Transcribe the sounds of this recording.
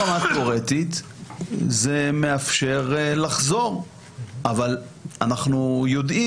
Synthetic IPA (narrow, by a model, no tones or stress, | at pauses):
amat̪̚koʁet̪it̪ | zeme̞afʃe̞ʁlaχzo̞ʁ | ʔavalanaχnujo̞d̪i